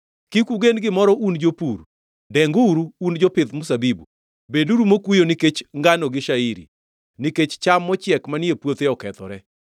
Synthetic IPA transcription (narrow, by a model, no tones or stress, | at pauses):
kikuɡenɡɪmɔɾɔʔund͡ʒopuɾ | dɛŋɡuɾuːnd͡ʒɔpɪt̪mʊsabibu | beduɾumokwujoniket͡ʃŋɡanɔɡɪʃaiɾḭ | niket͡ʃt͡ʃamːɔt͡ʃjɛkmaniepwot̪eɔkɛt̪ɔ̰ɾɛ